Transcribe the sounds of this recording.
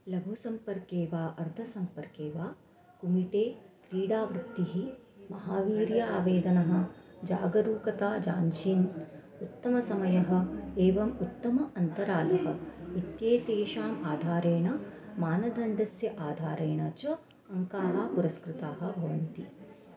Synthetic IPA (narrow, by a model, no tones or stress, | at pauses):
lɐbʱusɐmpɐɾkeːʋaːʔɐɾd̪ʱɐsɐmpɐɾkeːʋaː | kumiʈeːk̪ɾiːɽaːʋɾud̪ːiɦimɐɦaːʋiːɾjɐaːʋeːd̪ɐnɐɦɐ̆d͡ʒa̰ːɡɐɾuːkɐt̪aːd͡ʒaːɲt͡ʃiːn | ut̪ːɐmɐsɐmɐjɐɦɐ̆eːʋɐmut̪ːɐmɐɐnt̪ɐɾaːlɐɦɐit̪jeːt̪eːʃaːmaːd̪ʱaːɾeːɳɐmaːnɐd̪ʱɐɳɖɐsjɐʔaːd̪ʱaːɾeːɳɐt͡ʃɐ | ɐŋkaːɦɐpuɾɐskɾɪt̪aːɦɐ̆bʱɐʋɐnt̪i